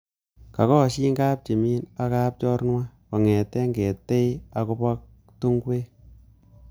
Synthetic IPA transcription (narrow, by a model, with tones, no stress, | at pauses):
ka˨kɔ˦ʃi˦ŋɡa˦p̚t͡ʃe˨mi˦na˨ka˦p̚t͡ʃɔ˦ɾnwa˦kɔ˨ŋɛ˨tɛ˦ŋɡe˨tːe˦ja˨ko˧pa˦k̚ | tu˦ŋɡwe˦